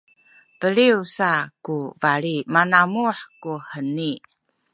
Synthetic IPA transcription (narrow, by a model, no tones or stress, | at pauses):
pəɭiusakuvaɭimanamuħkuħəni